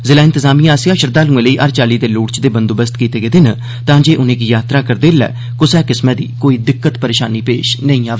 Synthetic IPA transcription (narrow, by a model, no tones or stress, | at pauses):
zɪlaːɪ̃nt̪ɪzaːmiːjãːsɪjãːʃəɾd̪aːlũːẽːləiːʔəːɾt͡ʃaːliːd̪eːluːʈt͡ʃd̪eːbənd̪oːbəst̪kiːt̪eːɡeːd̪ɪn | t̪ãːd͡ʒeːʔʊnẽːɡiːjaːt̪ɾaːkəɾd̪eːlɛ̰ː | kʊsɛːkɪsmɛ̃ːd̪ḭːkoːiːd̪ɪkːət̪pəɾeːʃa̰ːniːpeːʃnəĩːaːʋː